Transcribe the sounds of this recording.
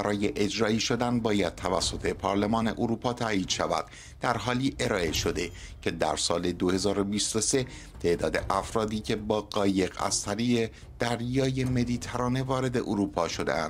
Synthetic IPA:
bæɾɒːjeʔed͡ʒɾɒːiːʃo̞d̪ænbɒːjæd̪̥̚t̪ʰævæsːo̞t̪ʰe̞pʰɒːɾle̞mɒːne̞̰ʔoɾuːpʰɒːt̪ʰæiːd̪̥ʃævæ̰d̪̥̚ | d̪æɾɦɒːliːʔe̞ɾɒːe̞ʃo̞d̪e̞cʰe̞d̪æ̰ɾsɒːle̞d̪ohe̞zɒːɾobiːst̪o̞se̞ | t̪ʰe̞ʔd̪ɒːd̪e̞ʔæfɾɒːd̪iːcʲʰe̞bɒːɢɒːje̞ɣæ̰z̥t̪ʰæɾiːɢe | d̪̥æɾjɒːje̞me̞d̪iːt̪ʰæɾɒːne̞vɒːɾe̞d̪e̞ʔoɾuːpʰɒːʃo̞d̪ḛʔæ̰nd̥̪

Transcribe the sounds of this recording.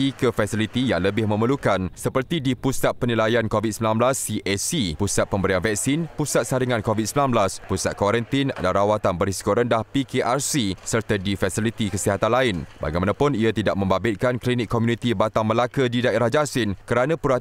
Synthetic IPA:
ikəfɛsilit̪ijaŋləbɪhmə̃məlukansəpərt̪idipusat̪̚pənilajankovit̪səmilãnblasːiʔɛsipusat̪̚pəmbəɾianvɛk̚sinpusat̪̚saɾiŋãnkovit̪̚səmilanblaspusat̪̚kwaɾənt̪ina̰daɾawat̪anbəɾisi̥koɾəndahpikeʔarsisərt̪adifasilit̪ikəsiɦat̪anlaɪnba̰ɡajmanãpʊniat̪idaʔ̚mə̃mbabɪt̪̚kanklinikʰːomjũnĩt̪ibat̪aŋməlakədidaeɾahd͡ʒasɪnkəɾanãpuɾa

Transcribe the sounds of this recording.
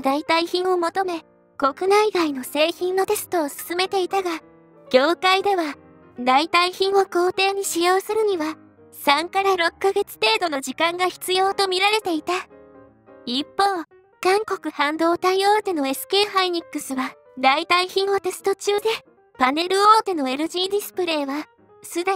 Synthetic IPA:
d̪ait̪aiçĩɰ̃o̞mo̞t̪o̞me̞ | ko̞kɯ̟naiɡaino̞se̞ːçĩnːo̞t̪e̞sɨ̥t̪o̞ːsɨ̥sɨme̞t̪e̞it̪aɡa | ɡ̥ʲo̞ːkaid̪e̞βa | d̪ait̪aiçĩɰ̃o̞ko̞ːt̪e̞ːɲ̟iɕijo̞ːsɨɾɯ̟ɲ̟iβa | sãŋkaɾaɾo̞kːaɡe̞t͡sɨ̥t̪e̞ːd̪o̞no̞ʑikãŋɡaçi̥t͡sɨjo̞ːt̪o̞mʲiɾaɾe̞t̪e̞it̪a | ipːo̞ː | kãŋko̞kɯ̟hãnd̪o̞ːt̪aio̞ːt̪e̞no̞e̞sɨ̥ke̞ːɦaiɲ̟ikːɯ̟sɨβa | d̪ait̪aiçĩɰ̃o̞t̪e̞sɨ̥t̪o̞t͡ɕɨːd̪e̞ | pane̞ɾɯ̟o̞ːt̪e̞no̞e̞ɾɯ̟ʑĩnd̪ʲisɨ̥pɯ̟ɾe̞ːβa | sɨd̪e

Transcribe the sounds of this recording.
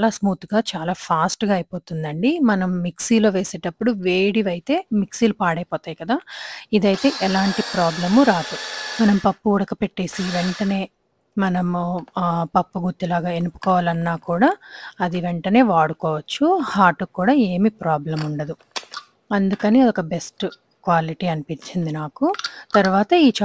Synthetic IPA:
alaːsmuːt̪uɡaːt͡ʃaːlaːpʰaːsʈɡaːjpoːt̪und̪ɐɳɖimɐnɐmːiksiːlo̞ːʋe̞ːse̞ːʈɐpːuɽuʋeːɽiʋɐjit̪e̞ːmiksiːlupaːɽɐjpɔːt̪aːjikɐd̪aːid̪ɐjit̪e̞ːʔɛlaːɳʈipɾaːblɐmuɾaːd̪umɐnɐmpɐpːuuɽɐkɐpe̞ʈːe̞ːsiʋeɳʈɐne̞ː | mɐnɐm | pɐpːuɡut̪ːilaːɡaːenupu̥kɔːʋaːlɐnːaːkuːɽaːɐd̪iʋeɳʈɐne̞ːʋaːɽukɔːʋɐt͡ʃːuhaːʈukːuːɽaːe̞ːmipɾaːblɐmuɳɖɐd̪u | ɐnd̪ukɐniɔkɐbe̞sʈ | kʋaːliʈiɐnipiɲt͡ʃind̪inaːkut̪ɐɾuʋaːt̪ɐiːt͡ʃ

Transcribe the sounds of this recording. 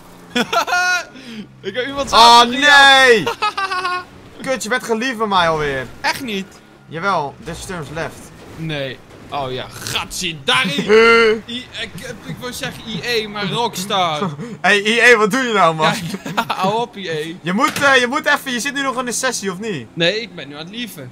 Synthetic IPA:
ɪkəimɔntsoːnej | køtjəʋɛntχəlifɛmɛjɔlˠʋɪərɛχtnit | jaʋɛlˠdɪsstøɹmslɛft | neː | ʔowja̰xatsidari | iɪkɪkʋɪlˠsɛɣəiejmarɔkstaeieːʋɔt̚dujənawma | awopieːjəmutjəmutɛfəjəsɪt̚nynɔχɪnəsɛsiɔfninejɪk̚bɛnːyantlifə

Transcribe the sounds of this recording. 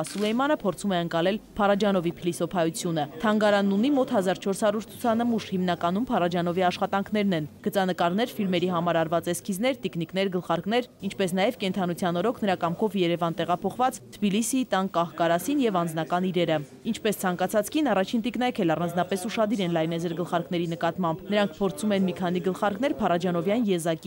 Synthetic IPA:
ɑsulɛjmɑnəpʰɔɾt͡sʰumɛəŋkɑlɛlpʰɑrɑd͡ʒɑnɔvipʰilisɔpʰɑjut͡sʰjunət̪ʰɑŋɡɑɾɑnːunimɔt̪ʰhɑzɑɾt͡ʃʰɔɾshɑɾuɾt͡sʰu̥t͡sʰɑnəmuʃhimnɑkɑnumpʰɑrɑd͡ʒɑnɔviɑʃχɑt̪ɑŋkʰn̪ɛɾnɛnɡ̥ət͡sɑnəkɑɾnɛɾfilmɛɾiɦɑmɑɾɑɾvɑt͡sɛskʰiznɛɾt̪ikniknɛɾɡəlχɑɾkn̪ɛɾint͡ʃʰpɛsn̪ɑjɛvkɛnt̪ʰɑnut͡sʰjɑnɔɾɔkʰnəɾɑkɑmkʰɔvjɛɾɛvɑnt̪ɛʁɑpʰɔχvɑt͡st̪ʰəbilisit̪ɑnkɑhkɑɾɑsinjɛvɑnd͡znɑkɑniɾɛɾə | int͡ʃʰpɛst͡sʰɑŋkɑt͡sʰɑt͡skinɑrɑt͡ʃʰint̪iknɑjkʰɛlɑrɑnd͡znɑpɛsuʃɑd̪iɾɛnlɑjnɛd͡zɛɾɡəlχɑɾknɛɾinəkɑt̪mɑmbnəɾɑŋkʰpʰɔɾt͡sʰumɛnmikʰɑn̪iɡəlχɑɾkn̪ɛɾpʰɑrɑd͡ʒɑnɔvjɑnjɛzɑki

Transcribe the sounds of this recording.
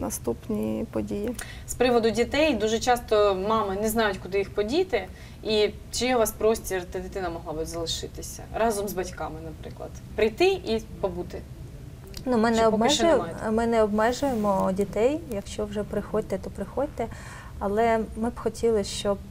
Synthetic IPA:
nɐst̪upnʲipɔdʲijispɾɪʋɔd̪ʊdʲit̪ɛjd̪uʒɛt͡ʃɑst̪ɔmɑmɪnɛznɑjʊtʲkʊd̪ɪjixpɔdʲit̪ɪ | i | t͡ʃijɛʋɑspɾɔsʲtʲird̪ɪd̪ɪt̪ɪnɐmɔɦlˠɑbɨzɐlˠɪʃɪt̪ɪsʲɐ̰ɾɑzɔmzbɐtʲkɑmɪnɐpɾɪ̰klˠɐ̰d̪̥pɾɪjt̪ɪʔipɔbut̪ɪ | numɪnɛɔbmɛʒjmmɪnɛɔbmɛʒʊjemɔdʲit̪ɛjjɐkʃt͡ʃɔwʒɛpɾɪxɔdʲt̪ɛt̪ɔpɾɪxɔdʲt̪ɛ | ɐlˠɛmɪb̥xɔtʲilˠɪʃt͡ʃɔb̚

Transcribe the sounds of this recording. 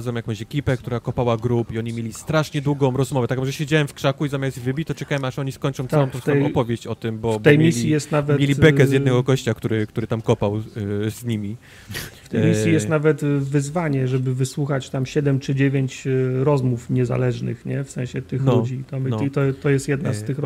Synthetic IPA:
zvɔmjakɔ̃w̃ɕɛkʲipɛk̚t̪uɾakɔpawaɡɾupiɔɲimʲelʲist̪ɾaʂɲɛd̪wuɡɔ̃w̃ɾɔzmɔvɛt̪ak̚mɔʐɛɕed͡ʑawɛmfkʂakuizamjast̪vɘbʲit͡ɕt̪ɔt͡ʂɛkawɛmaʂɔɲiskɔɲt͡ʂɔ̃t̪aɔ̃m̃t̪ɔt̪aɛjɔpɔvʲjeɕt͡ɕɔt̪ɘmbɔb̪ɛjmisʲjjijɛst̪navɛtmjelʲibɛkɛzjɛd̪nɛɡɔɡɔɕt͡ɕak̚t̪uɾɘkt̪uɾɘt̪amkɔpawzɲimʲi | ft̪ɛjmisʲjijɛst̪navɛt̪vɘzvaɲɛʐɛbɘvɘswuxat͡ɕt̪amɕɛd̪ɛmt͡ʂɘd͡ʑevʲjeɲt͡ɕɾɔzmufɲɛza̰lɛʐnɘ̰xɲɛfsɛ̃ɕɛt̪ɘxlud͡ʑit̪ɔmit̪ɔt̪ɔjɛst̪jɛd̪nast̪ɘx

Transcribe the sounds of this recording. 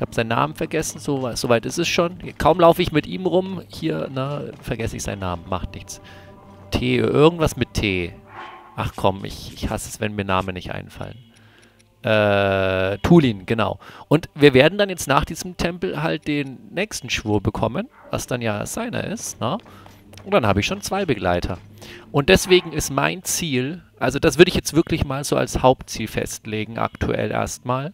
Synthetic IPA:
haːb̥z̥aɪnːa̰ːmənfɛɐɡɛsn̩zovaɪz̥ovaɪtɪsɛsʃoːnkʰaʊmlaʊfəɪçmɪtʔiːmʁʊmhiːɐnəfɛɐɡɛsɪ̰çz̥a̰ɪnːa̰ːmənmaχtnɪçt͡s | tʰeːɐ̰ʔɪɐɡŋ̩tv̥asmɪtʰːeː | ʔaχkʰɔmʔɪ̰çɪçhasəɛsv̥ɛnmiːɐnaːmənːɪçtʔa̰ɪnfa̰lən | ʔɛː | tʰuːliːnɡ̥əna̰ʊʔʊntviːɐveːɐdn̩danjɛt͡stnaːχd̥iːzəm̩tʰɛmpl̩ɦalt̚d̥eːnːɛːçstn̩ʃv̥uːɐbəkʰɔmən | va̰sd̥anjaːz̥aɪnɐ̰ʔɪ̰stnə | ʊntd̥anhaːbəɪçʃoːnt͡sv̥aɪbəɡla̰ɪtʰɐʔʊnt̚d̥ɛsv̥eːɡŋ̩ɪstma̰ɪnt͡siːlʔalzod̥as̬v̥ʏɐɾəɪçjɛt͡stv̥ɪɐklɪçmaːlzoːa̰lshaʊp̚tt͡siːlfɛ̰stleːɡŋ̩ʔa̰ktʰṵʔɛ̰lʔḛːɐstmaːl

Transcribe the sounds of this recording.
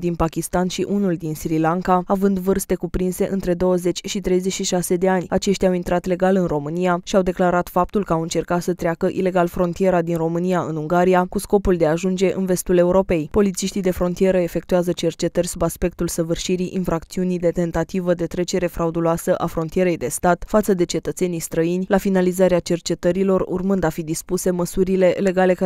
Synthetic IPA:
d̪inpakʲist̪anʃiʔunuld̪insiɾilaŋkaavɨnd̪vɨrst̪e̞kupɾinse̞ʔɨnt̪ɾe̞d̪o̞wəze̞t͡ʃʲʃit̪ɾe̞jzeʃiʃase̞d̪e̞anʲat͡ʃeʃt̪ʲawint̪ɾat̪le̞ɡalɨnro̞mɨnijaʃiawd̪e̞klaɾat̪fap̚t̪ulkəawɨnt͡ʃe̞rkat̪sət̪ɾʲakəʔile̞ɡalfɾo̞nt̪ije̞ɾad̪inro̞mɨnijaɨnuŋɡaɾijakusko̞puld̪e̞aʒund͡ʒe̞ʔɨ̰nve̞st̪ule̞uɾope̞jpo̞lit̪siʃt̪ijd̪e̞fɾo̞nt̪ije̞ɾəe̞fe̞k̚t̪uazət͡ʃe̞rt͡ʃe̞t̪ərʲsubaspe̞k̚t̪ulsəvɨrʃiɾiʔinfɾakt̪siunijd̪e̞t̪e̞nt̪at̪ivəd̪e̞t̪ɾe̞t͡ʃe̞ɾe̞fɾaud̪uloasəʔafɾo̞nt̪ie̞ɾe̞jd̪e̞st̪at̪fat̪səd̪e̞t͡ʃe̞t̪ət̪se̞nijst̪ɾəinʲlafinalizaɾeat͡ʃe̞rt͡ʃe̞t̪əɾilo̞rṵrmɨnd̪afid̪ispuse̞məsuɾile̞le̞ɡale̞

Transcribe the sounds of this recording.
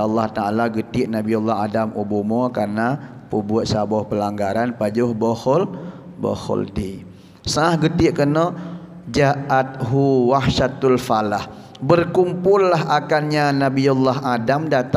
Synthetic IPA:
lːɑht̪aalaɡət̪iʔnabiulːahadamubumɔkarna | pəbuət̪̚sabɔhpəlaŋɡaɾanpad͡ʒʊhbɔhɔl | bɔ̰hɔ̰ld̪i | saahɡət̪ɪʔkənɔ | d͡ʒaʔat̪̚ɦuwahʃat̪alfalah | bərkumpʊlːaɦakanɲanabiulːaɦadamdat̪

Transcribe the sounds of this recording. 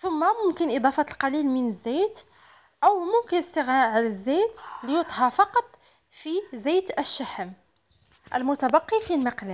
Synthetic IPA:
θʊmːæmʊmkənʔɪd̪ˤɑfɑt̪əlqɑlilmənəzːæjt̪ | ʔæwmʊmkənəst̪əɣnæʕalæzːæjt̪lijʊt̪ˤhɑfɑqɑt̪ˤ | fizæjt̪əʃːaħəm | ʔæ̰lmʊt̪æbɑqːifilmɑqlæ

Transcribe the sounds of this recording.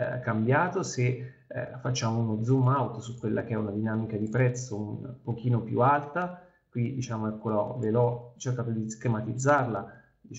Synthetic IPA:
kambjaːt̪osḛ | fat͡ʃːaːmounod̪zumːawt̪osukːwelːʔa̰k̟eɛunad̪inaːmikad̪ipɾɛt̪sːoumpok̟iːnopjṵalt̪a | kwid̪it͡ʃaːmoɛkːolɔ̰velɔt͡ʃːerkaːt̪od̪iskɾemat̪id̪zːarla | d̪i

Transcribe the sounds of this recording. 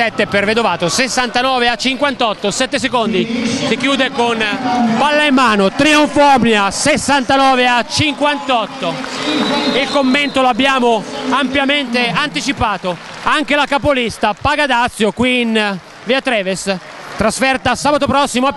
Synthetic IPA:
ɛt̪ːeperved̪ovaːt̪osesːant̪anɔːveat͡ʃːiŋkwant̪ɔt̪ːosɛt̪ːesekond̪isikjuːd̪ekonpalːaimːaːnot̪ɾioɱfɔmnjasesːant̪anɔːveat͡ʃiŋkwant̪ɔt̪ːo | ilkomːent̪oloabːjaːmoampjament̪eant̪it͡ʃipaːt̪oaŋk̟elakapolist̪apaɡad̪at̪sːjokwiːn | viat̪ɾɛːves | t̪ɾasfɛrt̪asaːbat̪opɾɔsːimoa

